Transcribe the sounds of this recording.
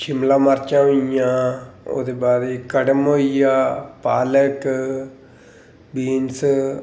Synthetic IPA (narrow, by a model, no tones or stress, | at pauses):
ʃʰɪmlãːməɾt͡ʃãːɦoijãːo̰ːd̪eːbaːɾikəɖəmoːijaːpaːlək | biːns